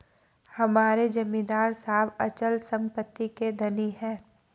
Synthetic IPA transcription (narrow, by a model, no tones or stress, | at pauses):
hɐmaːɾed͡ʒɐmĩd̪aːɾsaːbət͡ʃəlsɐ̃mpət̪ːiked̪ʱɐniɦɛ̃ː